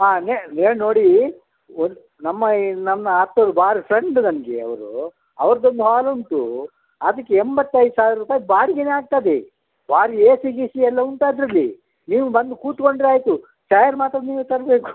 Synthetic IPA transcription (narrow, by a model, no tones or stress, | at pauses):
aːneneːɽino̞ːɽi | ond̪u | nɐmːɐnɐmːɐat̪ːɐɾubaːɾipʰɾeɳɖnɐnɡeɐ̰ʋɐɾṵ | ɐʋɐɾɐd̪o̞nd̪uɦaːluɳʈ̪ṵ | ɐd̪ɐkːeembɐt̪ːɐjd̪usaːʋiɾuːpaːjbaːɾiɡeneaːɡ̚t̪aːd̪e | baːɾieːsiɡisiɛlːɐunt̪aːd̪ɾɐlːḭ | niːʋubɐnd̪ukuːt̪ko̞ɳɖɾeaːjt̪u | t͡ʃɐjɐɾmaːt̪ɾɐniːʋut̪ɐɾbe̞ːku̥